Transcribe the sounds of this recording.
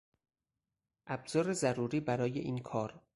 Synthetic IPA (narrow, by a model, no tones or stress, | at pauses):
ʔæbz̥ɒːɾezæɾuːɾiːbæɾɒːjḛʔiːnkʰɒːɾ